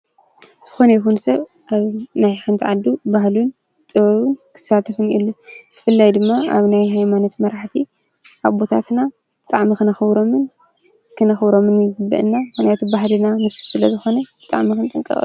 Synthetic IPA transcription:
z̥ɨ̥xo̞nɐjɪxunsɐβ | ʔaβnajxɨnt̪ʰiʕad̪ubaɦlun | t̪ʼɨβɐβɨnkʰɨ̥sːat̪ʰɐfɨnʔḭlːub̥ɨfɨlːajd̪ɨmːaa̰βnajɦajmano̞t̪mɐɾaħt̪ʰi | ʔaβbo̞t̪ʰa̰t̪na | bɨt̪ʼaʕmikɨnɨxɨβɾomɨn | kʰɨnɨxɨβɾo̞mɨnjɨɡɨbːɨ̰ʔɨnːakonjat̪ʰbaɦlɨnamɨstisɨlɐzɨxo̞nɐb̥ɨt̪ʼa̰ʕmikʰɨnt̪ʼɨŋkʼɨ̰χʼɨ̰u

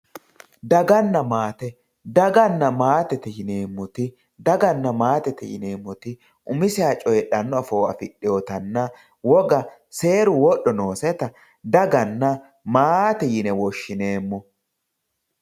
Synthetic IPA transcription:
d̪ɐɡɐnːɐmaːt̪ɛ | d̪ɐɡɐnːɐmaːt̪ɛt̪ɛjɪneːmːɔt̪ɪ | d̪ɐɡɐnːɐmaːt̪ɛt̪ɛjɪ̰neːmːɔt̪ɪ | ʔʊmɪsɪaːt͡ʃʼɔjɛɗɐnːɔɐfoːɐfɪɗːɪjoːt̪ɐnːɐ | wɔɡɐ | se̞ːɾʊwɔɗɔnoːsɛt̪ɐ | d̪ɐɡɐnːɐ | maːt̪ɛjɪnɛwɔʃːɪne̞ːmːɔ

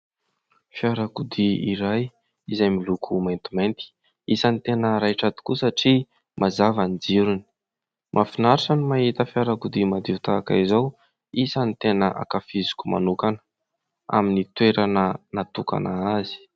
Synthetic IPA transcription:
fiaɾakud̪iiɾaj | izajmilukʰumajnt̪imajnt̪i̥ | isanit̪enəɾajʈ͡ʂad̪i̥kusaʈ͡ʂi | mʔazavand͡ʒiɾuni̥ | mʔafinaɾʈ͡ʂanimaɦit̪əfjaɾakud̪imad̪iut̪aka̰izaw | isanit̪enəʔa̰kafizi̥kuma̰nukanə̥ | a̰minit̪weɾanənat̪uka̰naazi̥

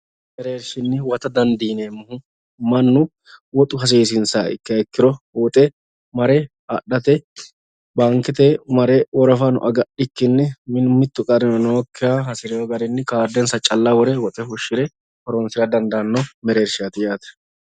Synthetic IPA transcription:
mɛɾeːɾʃɪnːɪwɐt̪ɐd̪ɐnd̪iːneːmːʊhʊ | mɐnːʊ | wɔt̪ʼʊhɐs̬eːs̬ɪnsa̰ːɪ̰kːɐɛkːɪɾɔ | wɔt̪ʼɛ | mɐɾɛ | ɐɗːɐt̪ɛ | baŋkɪt̪ɛmɐɾɛwɔɾɔfɐnʊ̰ʔɐɡɐɗɪkːɪnːɪmɪnʊmɪt̪ːʊkʼɐɾɪnɔnoːkːɪɾahɐsɪɾɛwɔɡɐɾɪnːɪkaːd̪ɛnsɐt͡ʃʼɐlːɐwɔɾɛwɔt̪ʼɛhʊʃːɪɾɛ | hɔɾɔnsɪɾɐd̪ɐnd̪ɐnːɔmɛɾeːɾʃɪjɐt̪ɪjaːt̪ɛ̥

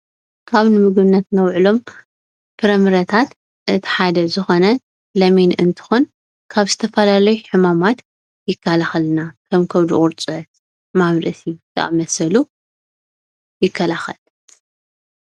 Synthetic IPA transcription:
kʰaβnɨmɨɡβnːɐt̪nɐwʕɨlo̞m | pʰɨɾɐmɨɾɐt̪ʰat̪ | ʔɨt̪ʰi̥ħad̪ɐzɨxo̞nɐ | lɐmenɨnt̪ʰɨ̥xun | kʰaβzɨt̪ʰɐfɐlalɐjuħɨmamat̪ | jɪkʰːalaxɐlnakʰɐmkʰɐwd̪ɨ̰ʔʼʊɾt͡sʼɨʕɨt̪ | maβɾɐsit̪ʰɐ̰ʔa̰mɐsɐlu | jɪkʰːɐlaxɐl

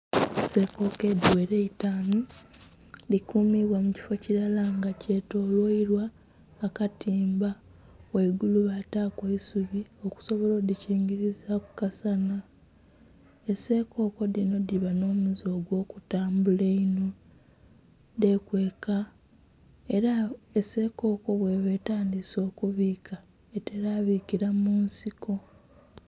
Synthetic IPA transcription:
ese̞ko̞ke̞dwe̞ɾeitaːnu | likuːmiβwamuci̥fo̞ciɾalaŋɡace̞to̞lwoiɾwaː | katiːmba | weɡuluβataːkweisuβio̞ku̥so̞βolo̞diciːŋɡiɾizaku̥kasana | ese̞ːko̞ːko̞dino̞diβano̞ːmuzo̞ːɡwo̞ːkutaːmbuleino | de̞kwe̞ːka | eɾaese̞ːko̞ːko̞βwe̞βe̞ːtaːndiso̞ːkuβiːka | eteɾaːβiːkiɾamuːnsiko̞

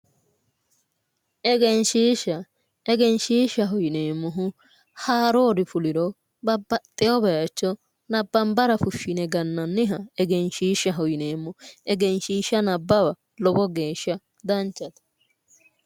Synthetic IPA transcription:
ʔɛɡɛnʃiːʃɐ | ɛɡɛnʃiːʃɐɦɔjɪneːmːɔɦʊ | haːɾoːd̪ɪfʊlɪɾɔ | bɐbːɐt̪ʼːɛɔbɛjat͡ʃːɔ | nɐbːɐmbɐɾɐfʊʃːɪnɛɡɐnːɐnːɪɦɐɛɡɛnʃiːʃːɐɦɔjɪneːmːɔɛɡɛnʃiːʃɐnɐbːɐbɐ | lɔbɔɡe̞ːʃːɐ | d̪ɐnt͡ʃːɐt̪ɐ̥

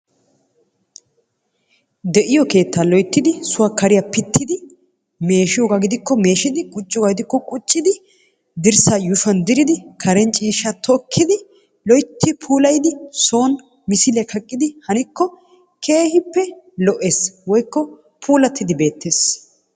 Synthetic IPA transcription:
d̪ɛʔɪjɔke̞ːt̪ːalɔjt̪ːɪd̪ɪsʊwakɐɾɪjɐpɪt̪ːɪd̪ɪ | me̞ːʃɪjɔɡaɡɪd̪ɪkːɔme̞ːʃɪd̪ɪɡʊt͡ʃʼːɔɡaɡɪd̪ɪkːɔkʼʊt͡ʃʼːɪd̪ɪ | d̪ɪɾsaːjʊʃɐnd̪ɪɾɪd̪ɪkʰɐɾɛnt͡ʃʼiːʃɐt̪ʰɔkʰːɪd̪ɪ | lɔjt̪ʰːɪpʰuːlɐjd̪ɪsoːn | mɪsɪlɛkʰɐkʼːɪd̪ɪhɐnɪkːɔ | kʰe̞ːhɪpːɛ | lɔʔeswɔjkːɔ | pʰuːlɐt̪ʰːɪd̪ɪbe̞ːt̪ʰːe̞ːs

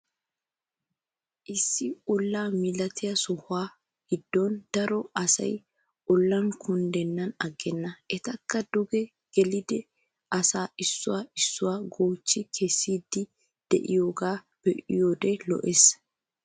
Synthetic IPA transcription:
ʔɪsːɪɔlːaːmɪlɐt̪ɪjɐsɔhʊaː | hɪd̪ːond̪̥ɐɾɔɐsɐ̰j | ɔlːɐŋkʊnd̪ɛnːɐnɐɡːɛnːɐʔɛt̪ɐkːɐd̪ɔɡɛ | ɡ̥ɛlɪd̪ɛ | ʔɐsaːɪsːʊwaːɪsːʊwaːɡoːt͡ʃːɪkʰɛsːiːd̪ːɪ | d̪̥ɛ̰ʔɪjoːɡaː | b̥ɛʔɪjoːd̪ɛlɔ̰ʔes

